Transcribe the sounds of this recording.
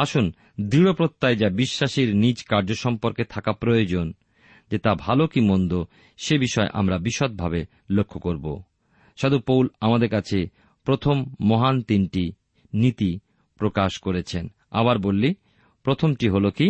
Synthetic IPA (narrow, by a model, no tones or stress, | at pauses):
aʃun | d̪ɾiɽopɾot̪ːajd͡ʑabiʃːaʃiɾnid͡ʑkaɾd͡ʑoʃɔmpoɾket̪ʰakapɾojod͡ʑon | d͡ʑet̪abʱalokimond̪o | ʃebiʃɔeʔa̰mɾabiʃot̪̚bʱabe | lokʰːokoɾbo̰ | ʃad̪upowlamad̪eɾkat͡ɕʰe | pɾot̪ʰomːɔɦant̪inʈi | nit̪i | pɾokaʃkoɾet͡ɕʰen | a̰βaɾbolːi | pɾot̪ʰomʈiɦoloki